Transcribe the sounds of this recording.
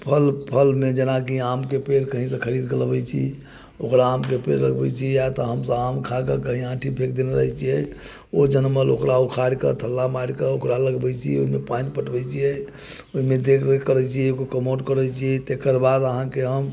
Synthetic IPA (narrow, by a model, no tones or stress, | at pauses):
pʰəlpʰəlmẽd͡ʒenakiamkepeɾkəɦĩsə̃kʰəɾid̪ɡelbɛt͡ʃʰḭ | okɾaːmkepḛɾləɡbɛt͡ʃʰijat̪ɔɦəmsə̃amkʰakəkəɦĩãʈʰibʱekʰd̪eneɾə̰ɦɛt͡ʃʰijɛ | od͡ʒənməlo̰kɾaukʰaɽkət̪ʰəlːamaɽkəokɾaləɡbɛt͡ʃʰiɛo̰ɦimepanipəʈbɛt͡ʃʰijɛ | oimẽd̪ekʰkəɾɛt͡ʃʰiɛkokəmoɖkəɾɛt͡ʃʰiɛt̪ekəɾbad̪əɦãkeɦəm